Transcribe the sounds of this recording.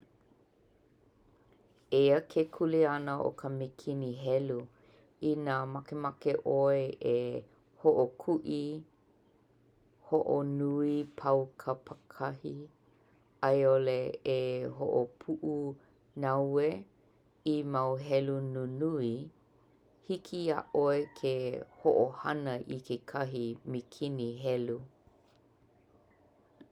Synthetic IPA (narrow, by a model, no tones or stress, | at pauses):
eəkʰekʰulianəʔo̰kʰəmikʰiniɦɛlu | inamakemakeʔoeʔe | hoʔokʰuʔi | hoʔo̰nuipʰɐwkʰəpʰəkʰɐhi | ajoleː | ɦo̰ʔopʰuʔu | nawe | imawɦɛlununui | hikʰia̰ʔoekʰehoʔohanəʔikʰekʰɐɦimikʰiniɦɛlu